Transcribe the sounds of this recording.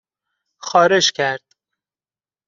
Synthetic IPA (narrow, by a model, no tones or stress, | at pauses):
xɒːɾeʃkʰæɾd̪̥